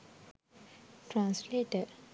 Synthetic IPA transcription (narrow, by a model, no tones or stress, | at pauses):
tʰɹãnsletə